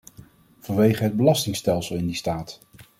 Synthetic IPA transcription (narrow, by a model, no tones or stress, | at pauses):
v̥ɑnʋejχəɦəd̚bəlɑstɪŋstɛlˠsəlˠɪndistaːt